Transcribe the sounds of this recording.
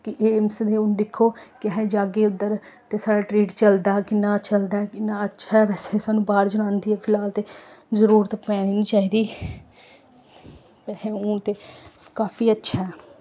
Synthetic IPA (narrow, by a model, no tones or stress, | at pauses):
kɪʔeːmsd̪eːʊnd̪ɪkʰːoːkɪɦɛ̃ːd͡ʒaːɡeːʊd̪əɾt̪eːsaːɽaːʈɾiːʈt͡ʃəld̪aːkɪnãːt͡ʃəld̪aːkɪnãːətːʃʰaʋɛːsesaːnũːbaːɾd͡ʒʊɽ̃ãːnd̪iːɛːpʰɪlaːlt̪eːzəɾuːɾt̪pɛ̃ːninĩːt͡ʃaːiːd̪iː | pɛːhẽːʊ̃ːt̪eːkaːfiːətːʃʰaː